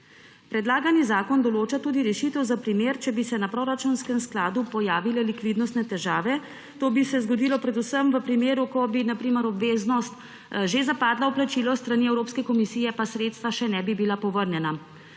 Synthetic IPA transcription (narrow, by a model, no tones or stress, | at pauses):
pɾɛd̪laːɡanizaːkɔnd̪ɔloːt͡ʃat̪uːd̪iɾɛʃit̪əwzapɾimeːɾt͡ʃɛbisɛnapɾoɾat͡ʃunskɛmsklaːd̪upɔjaːʋilɛlikʋiːd̪nɔst̪nɛt̪ɛʒaːʋɛ | t̪oːbisɛzɡɔd̪ilɔpɾɛd̪usəmʋəpɾimeːɾukɔbinapɾiːməɾɔbʋeːznɔst̪ | ʒezapaːd̪lawplat͡ʃilɔst̪ɾaniɛwɾoːpskɛkɔmisiːjɛpasɾeːt̪st̪ʋaʃɛnɛbibilapɔʋəɾnjɛna